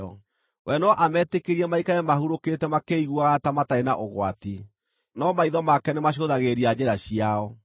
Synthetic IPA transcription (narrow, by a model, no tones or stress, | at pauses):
ɔ | wʔɛnɔʔamɛːtekeɾiɛmaikaɛmahuɾoketɛmakeiɣwaɣatamataenaʔoɣwati | nɔmaiðɔmakɛnemaɕ̬oðaɣeɾiad͡ʑeɾaɕiaɔ